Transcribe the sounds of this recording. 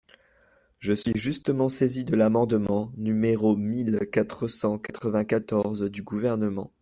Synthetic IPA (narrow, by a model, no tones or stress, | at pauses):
ʒəsɥiʒyst̪əmɑ̃sezid̪əlamɑ̃d̪mɑ̃nymeʁomilkat̪χəsɑ̃kat̪χəvɛ̃kat̪ɔʁzd̪yɡuvɛʁnəmɑ̃